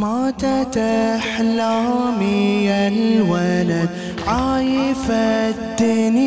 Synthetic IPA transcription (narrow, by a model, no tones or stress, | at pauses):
maːt̪at̪aħlamijalwalad̪ | ʕajɪfad̪ːn